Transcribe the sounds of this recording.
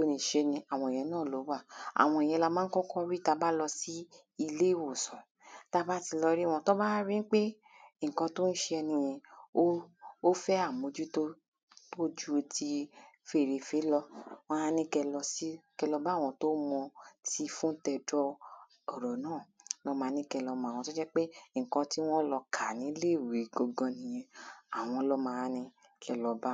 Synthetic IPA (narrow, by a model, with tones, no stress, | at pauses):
to˦nĩ˧˨ʃe˧nĩ˧a˨w̃ɔ̃˧˨ẽ˨ɛ̃˨˧˦nãː˦˨lo˨˦wa˦˨a̰˨w̃ɔ̃˧e˨j̃ɛ̃˧la˧mãː˦kɔ̃˦kɔ˦ɾi˦˨ta˧˦ba˦lɔ˧si˦ | i˧le˦i˦˨wo˦˨sɔ̃˨ | ta˦ba˦ti˧lɔ˧ɾi˦˨w̃ɔ̃˧to˦ba˦ɾi˦n̩˦k͡pe˦ | ŋ̩˨kɔ̃˧to˦n̩˦ʃe˧ɛ˧nĩ˧jɛ̃˧o˦o˦fɛ˦a˦˨mo˨˦d͡ʒu˦to˦ | to˦d͡ʒu˦˧ti˧fe˦˨ɾe˨˧fe˨˦lɔ˧w̃ɔ̃˦a˦˧nĩ˧kɛ˧lɔ˧si˦kɛ˧lɔ˧ba˦˨w̃ɔ̃˧to˦mɔ̃˧ti˧fũ˦tɛ˧dɔ˦ | ɔ˨ɾɔ˨nãː˦˨lɔ˦mãː˨˧nĩ˦kɛ˧lɔ˧mɔ̃˨wɔ̃˧to˦d͡ʒɛ˦k͡pe˦ŋ̩˨kɔ̃˧ti˦w̃ɔ̃˦lɔ˧kʰa˨nĩ˨˦le˦˨wi˨˦ɡɔ˧ɡɔ̃˧nĩ˧jɛ̃˧a˨w̃ɔ̃˧lɔ˦mã˧a˧nĩ˦ | kʰɛ˧lɔ˧ba˦